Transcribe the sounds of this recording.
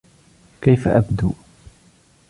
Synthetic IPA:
kajfaʔabd̪uː

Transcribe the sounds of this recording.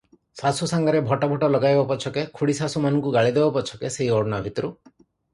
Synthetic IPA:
sasusaŋɡɔɾebʱɔʈɔbʱɔʈɔlɔɡajbapɔt͡ʃʰɔkekʰuɽisasumanɔŋkuɡaɭid̪ebapɔt͡ʃʰɔ̥keseɦiɔɽɖnabʱit̪ɔɾu

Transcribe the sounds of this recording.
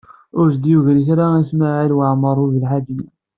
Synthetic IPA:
ʊɾsd̪juʝɾiθɾaismaʕilwaʕməɾˤuðəlħad̪i

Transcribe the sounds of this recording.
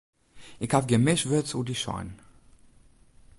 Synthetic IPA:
ʔɪkhafɡəmɪʃvɪt͡sudiʃɔ̰ɪn

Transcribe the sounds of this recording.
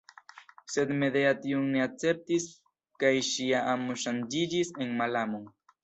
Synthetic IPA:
sed̪meðeat̪iuŋneat͡sep̚t̪is | kajʃiaʔamoʃand͡ʒiɾiseŋmalamoŋ

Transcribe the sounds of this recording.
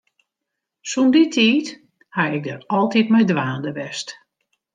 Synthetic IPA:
sunditʰiːt | haɪɡ̚dərɔlˠtitmɛjdʋaːndəʋɛst

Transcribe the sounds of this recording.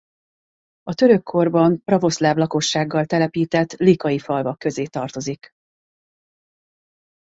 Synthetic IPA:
ɒt̪ø̞ɾø̞kʰːo̞rbɒmprɒvo̞slaːvlɒko̞ʃːaːɡːɒlt̪ɛlɛpiːt̪ɛt̪ːlikɒjifɒlvɒkːø̞zeːt̪ɒrt̪o̞zik

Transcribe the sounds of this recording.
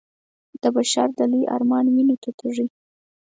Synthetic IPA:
d̪̥əbaʃaɾd̪alijʔɑ̰ɾmɑnwinot̪at̪ʰaʐi

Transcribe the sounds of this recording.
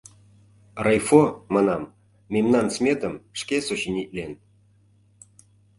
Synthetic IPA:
rɑjfomɑnɑmːʲ | emnɑnsmʲet̪ə̆mʂkʲesoɕinʲitʲlʲen

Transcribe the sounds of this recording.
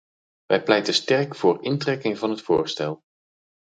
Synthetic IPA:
ʋɛjplɛjtəstɛrkfʊːrɪntrɛkɪŋvɑnɦətfʊːɹstɛlˠ

